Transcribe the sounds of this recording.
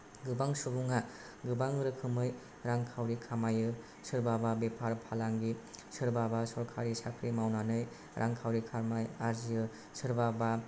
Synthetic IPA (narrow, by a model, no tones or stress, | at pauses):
ɡɯbaŋsubuŋa | ɡɯbaŋɯɾɯkʰɯmɯj | ɾaŋkʰawɾikʰamajɯ | sɯɾbababepʰaɾpʰalaŋɡisɯɾbabasɔɾkʰaɾisakʰɾimawnanɯj | ɾʔa̰ŋkʰawɾikʰaɾmajaɾzijɯ | sɯɾbaba